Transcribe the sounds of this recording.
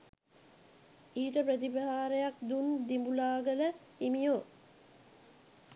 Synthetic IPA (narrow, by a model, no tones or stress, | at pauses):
iːʈəpɾət̪̬ipəɦaːɾejakd̪und̪imbulaːɡələ | imijo